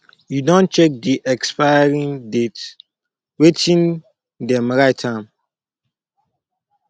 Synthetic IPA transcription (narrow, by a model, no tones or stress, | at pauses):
judõn̚t͡ʃɛk̚diʔɛkspajaɹĩndet | wetĩn | dɛ̃mɹaɪtʰːãm